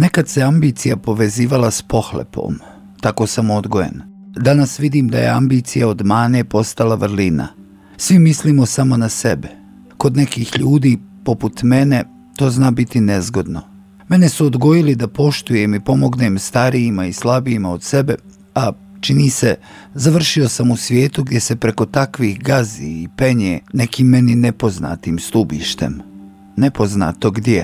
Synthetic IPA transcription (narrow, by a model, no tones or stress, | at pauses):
ne̞kad̪se̞ambit̪sijapo̞ʋe̞ziːʋalaspo̞xlḛpʰo̰m | t̪ako̞samo̞d̪ɡojḛn | d̪anasʋid̪iːmd̪a̰je̞̰a̰mbiːt̪sijao̞d̪maːnepo̞st̪alaʋɾ̩lina̰ | sʋimisliːmosamo̞nase̞be | ko̞d̪ne̞kiːxʎuːd̪iːpo̞put̪me̞ne̞ | t̪o̞ːznaːbit̪ine̞zɡo̞d̪no̞̰ | me̞ne̞suod̪ɡo̞jilid̪apo̞ʃt̪ujemipo̞mo̞ɡne̞mst̪aɾiːmaislˠabiːmaod̪̥se̞be̞ | a | t͡ʃiniːse̞ | zaʋr̩ʃio̞samusʋje̞ːt̪uɡd̪je̞se̞pɾe̞ko̞t̪akʋihɡaziːpe̞ɲene̞kiːmːe̞ninepo̞zna̰ːt̪iːmst̪ubiːʃt̪e̞̰m | ne̞po̞zna̰ːt̪o̞ɡd̪je